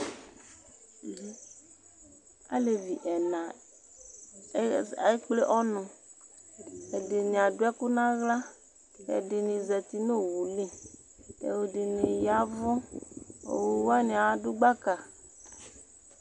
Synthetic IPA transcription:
a̰˦le˨vi˨ʔɛ˨na˨˦ | a˨e˦k͡ple˦ʔɔ˦nʊ̃˨ | e˨dɪ˨nĩ˨a˨dʊ˦ɛ˦ku˦nã˦ɣla˦ | ḛ˨dɪ˨nĩ˨zɛ˨t̪i˨no˦wu˨le˦ | ḛ˨wo˨dɪ˨ne˨ja˨˦vɔ˦ | o̰˨wo˨wa˦nĩ˨a˨wa˦dʊ˦ɡ͡ba˦ka˨

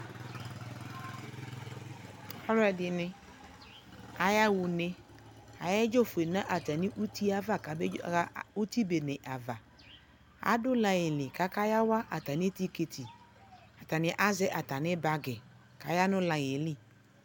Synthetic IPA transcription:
ha˦ɾɛ˨dɪ˨nɪ̃˦ | a˨ja˦wu˨nẽ˦ | a˨jɛ˦d͡ʒo˦fe˨nã˦ʔa˨t̪a˨nɪ̃˦ʔu˦t̪i˦a˦va˦˨ka˨be˦u˦t̪i˦be˨nɛ̃˨ʔa˨va˨ | a̰˦dʊ˦lã˨jɪ˨lɪ˨ka˦ka˦ja˦wa˦ʔa˨t̪a˨nɪ̃˦t̪i˦ke˨t̪ʰi˨ | a˨t̪a˨nɪ̃˨˦ʔa˦zɛ˦ʔa˨t̪a˨nɪ̃˦ba˦ɡɛ˨ | ka˨ja˦nʊ̃˦lã˨jɪ˨lɪ˨

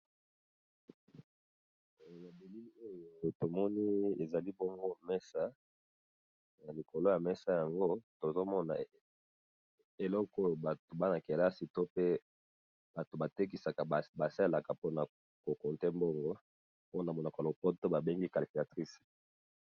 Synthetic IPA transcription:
ja˨be˨li˦o˦jo˨to˨mɔ˦ni˦e˨za˨li˦bɔ˦ŋɡo˦mɛ˦sa˦ | na˨li˨ko˨lo˦ja˨mɛ˦sa˦ja˨ŋɡo˦to˨zo˦mɔ˦na̰˨ | e˨lɔ˦ko˦jo˨ba˨to˨ba˦na˨ke˨la˦si˨to˦pe˦ | b̥a˨to˨ba˨te˦k̬i˨sa˨ka˨ba˨sa˦˨la˨ka˨po˦na˨ | ko˨ko˨nte˦mbɔ˦ŋɡɔ˦ | o˦na˨mɔ˨na˨ko˨lo˨pɔ˦to˦ba˨be˦ŋɡi˦ka˨li˨fi˨a˨tʁi˦s

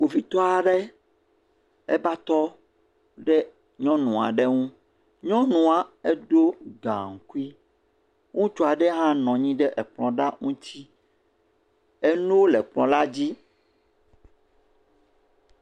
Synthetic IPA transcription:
ɡ͡bo˨fi˨t̪ɔ˦a˨ɖɛ˦ | ɛ̰˦ba˦t̪ɔ˦ | ɖɛ˦ | ɲɔ̃˦nũ˨a̰˨ɖɛ˦ŋũ˦ | ɲɔ̃˦nũ˨a˨ɛ˦ɖo˦ɡã̰˨ŋ̩˨ku˦i˦ | ŋũ˦t͡ʃɔ˦a˨ɖɛ˦ɦã˦nɔ̃˨ɲĩ˦ɖɛ˦ʔɛ˨k͡plɔ̃˨ɖa˦ŋũ˦t̪ʰi˦ | e˦nũ˦wo˦lɛ˨k͡plɔ̰̃˨la˦d͡ʑi˦

